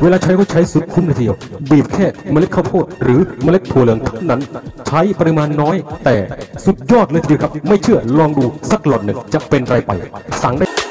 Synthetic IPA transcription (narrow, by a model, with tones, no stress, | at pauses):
weː˧laː˧t͡ɕʰa˦˥jkʰɔː˥˩wt͡ɕʰa˦˥jsu˨˩t̪̚kʰu˧˦mlə˧j̪ʰi˧ə˧wbiː˨˩p̚kʰɛː˥˩ma˧l̚kʰa˥˩wp̪ʰoː˥˩t̪̚ɾɯː˩˦ma˧le˦˥t̚t̪ʰu˨˩˦lɯ˩˦əŋt̪ʰa˦˥˩wna˦˥nt͡ɕʰa˦˥jpa˧ɾi˧maː˧nːɔː˦˥jt̪ɛː˨˩su˨˩t̪̚jɔː˥˩t̪̚lːjt̪ʰːkʰa˦˥pma˥˩jt͡ɕʰɯ˥˩ɐlɔː˧ŋduː˧sa˨˦˩k̚lɔː˨˩t̪̚nɯ˨˩ŋt͡ɕa˨˩pe˧nɾa˧jpa˧jsa˩˦ŋdaː˥˩